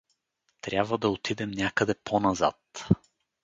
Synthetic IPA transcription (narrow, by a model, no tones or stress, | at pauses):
t̪ɾʲjabvəd̪ɐot̪id̪ɛmnʲakəd̪ɛponɐza̰t̪